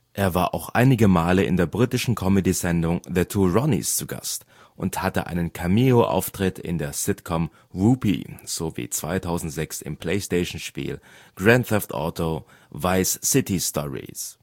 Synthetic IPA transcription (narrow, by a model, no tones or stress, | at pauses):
ʔeːɐvaːɐʔa̰ʊxʔa̰ɪnɪɡəmaːləɪ̰ndeːɐbʁiːtɪʃn̩kʰɔmədizɛndʊŋðətʰuːʁɔnḭst͡suɡa̰st | ʔʊnthatəʔa̰ɪnənkʰamioʔa̰ʊftʁ̥ɪtʰɪ̰ndeːɐsɪtkʰɔm | ʁuːpḭz̥oːvḭːt͡sv̥aɪtʰaʊzn̩tz̥ɛksɪ̰mpʰl̥eɪsteɪʃn̩ʃpḭːlɡ̥ʁɛntɛftʔɔ̰ːtʰovaɪsːɪtistʰɔʁḭs